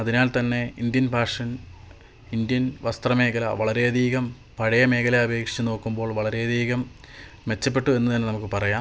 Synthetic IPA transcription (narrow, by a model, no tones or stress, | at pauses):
ɐðinaːlt̪ɐnːe̞ind̪jɐnbʱaːʂɐn | ind̪jɐnʋɐst̪rɐme̞ːkɐlɐʋɐɭɐɾeɐd̪ʱiːɣɐm | pɐɻɐjɐme̞ːkɐlɐɐbe̞ːkʂi̥t͡ɕːuno̞ːkːumbo̞ːɭʋɐɭɐɾe̞ɐd̪ʱiːɣɐm | ʋe̞t͡ɕːɐpːe̞ʈːue̞nːɐt̪ɐnːenɐmukːɨpɐrɐjaːm